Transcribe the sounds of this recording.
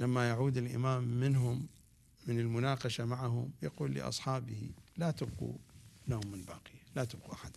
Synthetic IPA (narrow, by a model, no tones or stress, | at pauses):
lamːajaʕuːd̪ɪlʔɪ̰maːmːɪnɦʊmː | ɪnɪlmʊnaːqɑʃamaʕaɦʊ̰mjaquːlːḭʔɑ̰sˤħɑːbɪhḭlat̪abqṵnamːɪnbaːqɪjalat̪ɪb̚quʔaħad̪